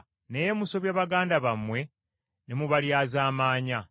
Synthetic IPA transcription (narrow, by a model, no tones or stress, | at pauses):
nejemuso̞βjaːβaɡaːndaβamwe̞ | nemuβaljaːzaːmaːɲa